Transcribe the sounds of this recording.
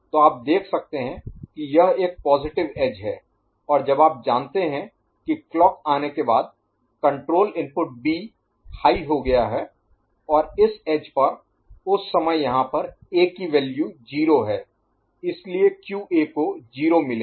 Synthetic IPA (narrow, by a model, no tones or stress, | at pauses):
t̪oaːp̚d̪eːkʰsɐk̚t̪eɦɛ̃kijɐɦeːk̚pɔːzɪʈɪʋeːd͡ʒɦɛː | ɔːɾd͡ʒɐbaːp̚d͡ʒaːnt̪eɦɛ̃ | kiklɔːkaːnekebaːd̪̚ | kɐ̃ɳʈɾoːlɪ̃mpʊʈ̚biː | haːiɦoɡɐjaɦɛ | ɔːɾɪseːd͡ʒpɐɾ | ʊsːɐməjjɐɦãpɐɾeːkiʋɛːljud͡ʒiːɾoɦɛː | ɪsliekjuːʔeːkod͡ʒiːɾomɪleː